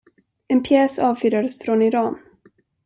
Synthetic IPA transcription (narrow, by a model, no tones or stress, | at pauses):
ɛnpʰjɛːsɑːvfyːɾad̪əsfɾɔnɪɾɑːn